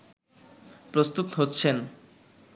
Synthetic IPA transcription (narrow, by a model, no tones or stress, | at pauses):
pɾost̪ut̪ɦotːɕʰen